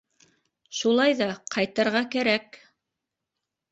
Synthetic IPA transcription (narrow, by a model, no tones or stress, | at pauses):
ʃulˠɑjðɑqʰɑjt̪ɤ̆ɾʁɑkæɾæk